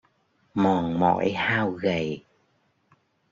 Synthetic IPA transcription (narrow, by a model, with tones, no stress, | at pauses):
mɔ˨˩nmɔ̰˧˥˦jhaː˧wɣə˨˩j